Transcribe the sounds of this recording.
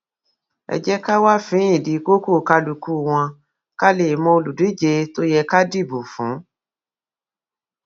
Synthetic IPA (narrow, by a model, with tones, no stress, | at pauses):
ɛ̰˧d͡ʒɛ˦ka˦wa˦fĩ˨˦ĩ˦˨di˨˦ko˦ko˦˨ka˧lu˨ku˦˨w̃ɔ̃˧ | ka˦le˨mɔ̃˧o˧lu˨di˨˦d͡ʒe˧to˦jɛ˧ka˦di˦˨bu˨fũ˨˦